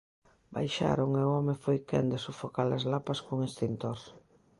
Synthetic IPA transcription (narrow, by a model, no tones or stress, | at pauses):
ba̰jʃa̰ɾoŋewɔmefojkɛ̰nd̪ɪsofokalɐzlapɐskoŋist̪int̪oɾ